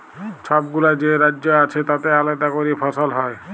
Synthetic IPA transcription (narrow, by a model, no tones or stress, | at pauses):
ʃʰɔbɡulad͡ʑeɾadːoat͡ɕʰet̪at̪ealat̪akoɾipʰɔsolɦɔe